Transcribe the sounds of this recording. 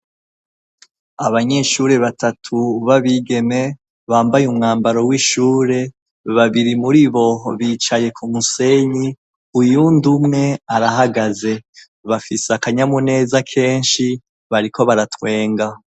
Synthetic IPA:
aβaɲe̞ʃuːɾe̞βatʰatʰuβaβiːɡe̞me̞ | βaːmbajumŋaːmbaɾo̞wiʃuːɾe̞ | βaβiɾimuɾiβo̞βiːt͡ʃaje̞kʰumuse̞ɲi | ujundumŋe̞aɾaɦaɡaze̞ | βafisakaɲamune̞ːzakʰe̞ːnʃi | βaɾiko̞βaɾatwe̞ːŋɡa

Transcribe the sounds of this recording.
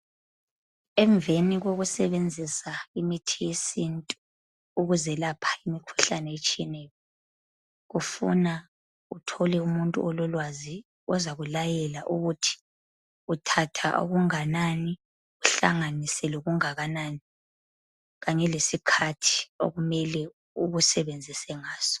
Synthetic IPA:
ɛɱbveniɣoɣusɛβend͡zʱisaimitʰijesintʼu | uɣuzɛlapʰḁimikʰu̥ɬanɛet͡ʃʼijɛnɛjɔ | ɣufṵna | utʰɔlɛumuntʼṵɔlɔlwazi | ɔzaɣulajɛlaʔuɣutʰi̥ | utʰatʰa̰ʔo̰ɣuŋanani | uɬaŋanisɛluɣuŋaɣanani | ɣaɲɛlesikʰatʰi̥o̰ɣumɛlɛ | uɣusɛβend͡zʱisɛŋaːz̥ɔ̥

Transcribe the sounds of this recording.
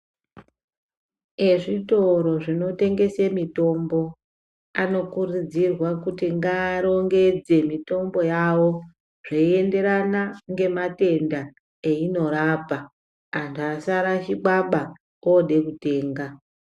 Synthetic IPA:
e̞ʐito̞ɾo̞ʐino̞te̞ŋɡe̞semito̞mbo̞ | ano̞kurid͡zirwakutiŋɡaːɾo̞ŋɡe̞d͡ze̞mito̞mbo̞jawo̞ | ʐ̥eie̞nde̞ɾanaŋɡe̞mate̞nda | eino̞ɾaːpa | antʰuasaɾaʃiɓaɓa | oɗe̞kute̞ːŋɡa

